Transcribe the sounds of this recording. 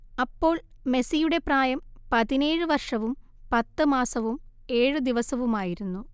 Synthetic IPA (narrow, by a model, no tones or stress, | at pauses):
ɐpːo̞ːɭ | me̞sijuɽe̞praːjɐmpɐðine̞ːɻɨʋɐrʂɐʋum | pɐt̪ːɨmaːsɐʋume̞ːɻɨd̪iʋɐsɐʋumaːjiɾunːu